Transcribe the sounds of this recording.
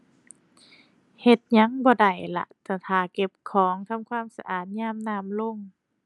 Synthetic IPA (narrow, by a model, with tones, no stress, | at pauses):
he˧˩t̪̚ɲa˧˥ŋbɔː˧˩da˨˩jla̰˧t̪ʰaː˧˩t̪ʰaː˨˩˦ke˧˦p̚kʰɔː˨˦ŋt̪ʰa˧˥˨mkʰwaː˧˥˨msa˧ʔaː˨˩t̪̚ɲaː˧˥˨mnaː˧˩mlo˧˨ŋ